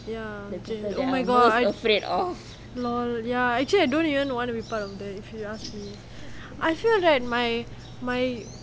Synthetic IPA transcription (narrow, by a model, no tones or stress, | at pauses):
jad͡ʒẽsomajɡɔajfɹedɔf | lɔljaɛk̚t͡ʃəliajdõnivə̃nwɔ̃nubipatɔfdɛtifjuasmi | ʔajfilɹat̚maj | maj